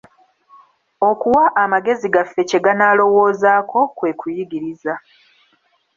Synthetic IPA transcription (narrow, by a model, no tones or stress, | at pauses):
o̞kuwaʔːmaɡe̞ziɡafːe̞ce̞ɡanaːlo̞wo̞ːzaːkʰo̞kwe̞ːkujiɡiɾiza